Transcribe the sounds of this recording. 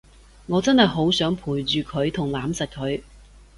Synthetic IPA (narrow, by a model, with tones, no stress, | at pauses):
ŋɔː˨˧t͡sɐ˥nhɐ˨jɦo˨˥wsœː˨˥ŋpʰuː˨˩jt͡ʃyː˨˧kʰɵ˨˧ɥt̪ʰʊ˨˩ŋlaː˨˥msɐ˨t̚kʰɵ˨˧ɥ